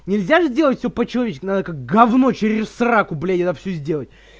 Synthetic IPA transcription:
nʲɪlʲzʲaʐɨzʲdʲe̞lˠətʲfʲsʲopət͡ɕɪlɐvʲet͡ɕɪsʲkʲnad̪əkak̚ɡɐvnot͡ɕɪɾʲɪssɾakʊblʲetʲɛdt̪əfsʲɵzʲdʲelˠətʲ

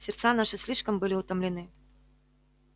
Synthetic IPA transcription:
sʲɪrt̪sanaʂɨsʲlʲiʂkəmbɨlʲɪʊt̪əmlʲɪnɨ

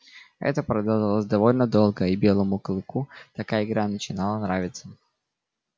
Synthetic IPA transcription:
ɛ̰t̪əpɾɐd̪ɐlˠʒɐlˠosʲd̪ɐvo̞lʲnəd̪o̞lˠɡəibʲe̞lˠəmʊklˠɨkut̪ɐkaəɪɡɾanət͡ɕɪnalˠənɾavʲɪt̪sə

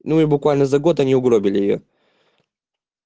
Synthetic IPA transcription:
nuibʊkvalʲnəzɐɡo̞t̪ɐnʲiʊɡɾobʲɪlʲɪjɪjo̰

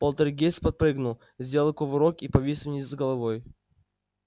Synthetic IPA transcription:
polˠt̪əɾɡʲespɐt̪̚pɾɨɡnʊlˠ | zʲdʲelʲˠlˠkovɨɾokipɐvʲisʲnʲizɡəlˠɐvoj

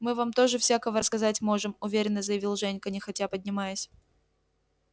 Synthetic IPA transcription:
mɨvamt̪o̞ʐɨfsʲakəvəɾəskɐzatʲmo̞ʐɨmʊvʲeɾʲɪnːəzəjɪvʲilˠʐɛnʲkənʲɪxɐtʲapədʲnʲɪmajʊsʲ

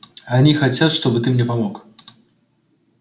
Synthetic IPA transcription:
anʲixat͡sʲat͡s̪ʂt̪ɔbɨt̪ɨmnʲɛvamɔk

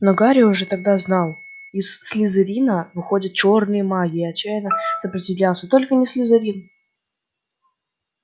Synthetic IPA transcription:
noɡaɾʲɪʊʐɛt̪ɐɡ̚d̪aznɑlˠ | ɪsːʲlʲɪzɨɾʲinəvɨxo̞dʲət̪̚t͡ɕo̞rnɨjəmaɡʲɪɐt͡ɕːæjɪnəsəpɾʲɪtʲɪvlʲælˠsʲət̪o̞lʲkənʲɪsʲlʲɪzɪɾʲin

